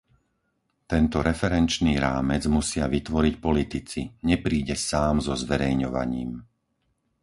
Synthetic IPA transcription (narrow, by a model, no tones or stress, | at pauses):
t̪ɛnt̪ɔɾɛfɛɾɛnt͡ʃniːɾaːmɛd͡zmusɪaʋit̪ʋɔɾicpɔlit̪it͡siɲɛpɾiːɟɛsaːmzɔzʋɛɾɛjɲɔʋa̰ɲiːm